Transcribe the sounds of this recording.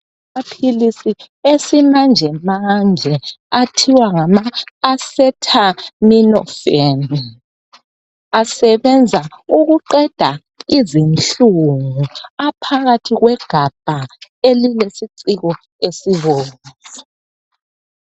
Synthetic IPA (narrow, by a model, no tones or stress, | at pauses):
mapʰilisi | esimand͡ʒʱɛmaŋʱɛatʰiwaŋamaːsɛtʰaminɔ̰feni | asɛβɛnd͡zʱauɣuǃɛd̥ʱa | izinɬuŋuapʰaɣatʰiɣwɛɡ̥ʱab̥ʱaelilesiǀiɣɔ | esiβoːni